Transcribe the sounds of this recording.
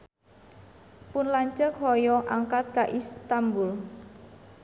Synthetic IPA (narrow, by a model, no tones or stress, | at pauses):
pʊnlaɲt͡ʃək̚hɔjɔʔaŋkat̪̚kaʔist̪ambʊl